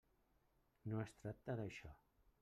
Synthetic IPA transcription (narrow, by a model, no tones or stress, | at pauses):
noest̪ɾatt̪ːaðaʃɔ̰